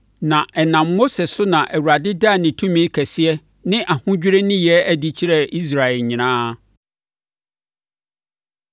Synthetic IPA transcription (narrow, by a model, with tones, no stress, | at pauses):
nã˨ʔɛ˨nã˨mːo˦sɛ˨sʊ˦nã˨ʔæ˨wu˨ɾa˨dɪ˦da˦˨nɪ̃˨tʰũ˦mĩ˦kʰæ˨si˦ɛ˦ | nɪ̃˦ʔa˨hʊ̃˦d͡ʑᶣɾe˦nɪ̃˦jɛ˦æ˦di˦t͡ɕʰi˦ɾɛ˦˨ʔi˦s̬ɾa˨ɛ˨lɲɪ̃˨nãː˦